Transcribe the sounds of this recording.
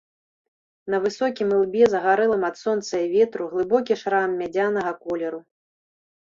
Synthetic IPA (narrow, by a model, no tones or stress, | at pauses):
nɐvɨsɔkʲimɨlˠbʲɛzɐɣaɾɛlˠɐmɐt̪sɔnt̪sɐjivʲɛt̪ɾuɣlˠɨbɔk̬ʲiʂɾamːʲad͡zʲanɐɣɐkɔlʲɛɾu